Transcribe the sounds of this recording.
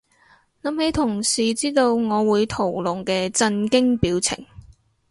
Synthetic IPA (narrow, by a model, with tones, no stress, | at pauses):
lɐ˨˧˥mhe˨˥jt̪ʰʊ˨˩ŋsiː˨˩t͡siː˥t̪o˧wŋɔː˨˧wuː˨˧jt̪ʰo˨˩wlʊ˨˩ŋkɛː˧t͡sɐ˧nkɪ˥ŋpiː˨˥wt͡sʰɪ̰˨˩ŋ